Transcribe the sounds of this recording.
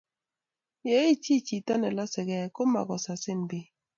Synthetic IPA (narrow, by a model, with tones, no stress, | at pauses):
je˨˦i˦t͡ʃi˦t͡ʃi˨ta˦nɛ˨la˦sɪ˨ɡɛ˨ko˦ma̰˨ɡɔ˨sa˨sɪ˦nbɪ˦